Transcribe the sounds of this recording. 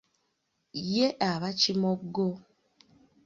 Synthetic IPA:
jeʔaβacimoɡo

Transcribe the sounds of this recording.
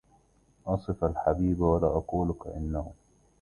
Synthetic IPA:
ʔɑsˤɨfalħabiːbawalaːʔɑquːlʊka̰ʔɪ̰nːahʊ

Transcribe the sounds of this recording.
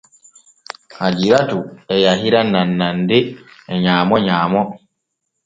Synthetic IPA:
had͡ʒiɾatuɛjaɦiɾananːandɛɛɲaːmɔɲaːmɔ

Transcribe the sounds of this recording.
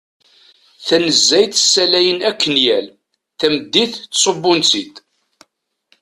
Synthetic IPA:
θænəzːæjt̪əsːælæjənækːənjæl | θæməd̪ːiθtːsˤəbːʊnt͡sit̪

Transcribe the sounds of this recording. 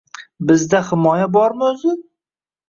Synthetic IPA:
bɪzd̪ahɪmɒjabɒɾmɪɵzɪ

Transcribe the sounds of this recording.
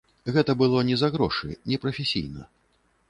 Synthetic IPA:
ɣɛt̪ɐbɨlˠɔnʲɛzaɣɾɔʂɨ̰nʲɛpɾɐfʲɛsʲḭjnɐ̰

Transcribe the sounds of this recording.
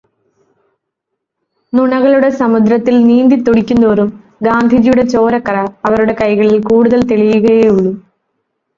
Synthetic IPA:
nuɳɐɣɐɭuɽe̞sɐmud̪ɾɐt̪ːilniːnd̪it̪ːuɽikʲːunːoːrum | ɡaːnd̪ʱid͡ʑijuɽe̞t͡ɕo̞ːɾɐkːɐrɐɐʋɐɾuɽe̞kɐjɣɐɭilkuːɽuðɐlt̪eɭijuɣɐjeːuɭːu

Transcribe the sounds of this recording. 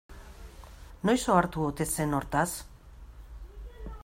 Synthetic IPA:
nojsoaɾt̪uot̪e̞se̞no̞ɾt̪as

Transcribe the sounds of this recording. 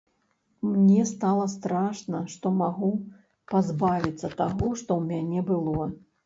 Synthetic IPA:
mnʲɛst̪alˠɐst̪ɾaʂnɐʂt̪ɔmaɣu | pazbavʲit̪sːɐt̪aɣɔʂt̪ɔwmʲanʲɛbɨlˠɔ

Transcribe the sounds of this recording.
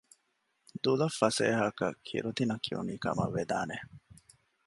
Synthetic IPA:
d̪ulɐfːɐsḛːɦɐkɐkʰḭɾut̪inɐkʰiṵniːkɐ̰mɐ̰ʋːed̪aːne

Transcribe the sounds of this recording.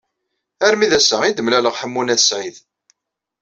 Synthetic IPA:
æɾmiðæsæid̪əmlæləʁħəmːunæsʕið

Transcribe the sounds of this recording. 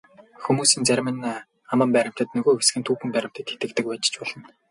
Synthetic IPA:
xumuːsiːnt͡sæɾʲmɘ̆n | amə̆mpæɾʲɪ̆m̥t̪ə̆t̪nɵɣoːxesɡɘ̆nt̪ʰuːpɘ̆mpæɾʲɪ̆m̥t̪ə̆t̪xe̥t̪ɘ̆kt̪ɘ̆k̚wæːt͡ɕ̆t͡ɕpɔɮɞ̆n

